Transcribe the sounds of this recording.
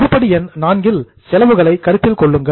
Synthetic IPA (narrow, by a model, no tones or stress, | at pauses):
ɾɯpːɐɽiɛnnaːnɡɪl | sɛlɐʋɯɣɐɭɐɪkːɐɾɯp̪ːɪlkɔɭːɯŋɡɐ